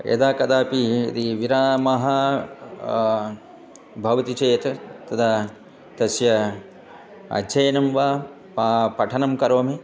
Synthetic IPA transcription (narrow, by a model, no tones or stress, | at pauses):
ḛd̪aːkɐd̪aːpiḭd̪iʋiɾaːmɐɦɐ | bʱɐʋɐt̪it͡ʃeːt̪ɐt̪ɐt̪ʰaː | t̪ɐsjɐ | ɐ̰dd͡ʒɐjɐnɐmʋaː | papɐʈʰɐnɐmkɐɾoːme